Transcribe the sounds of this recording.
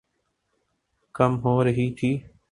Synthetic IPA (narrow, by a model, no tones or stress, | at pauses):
kəmɦoːɾəɦiːt̪ʰiː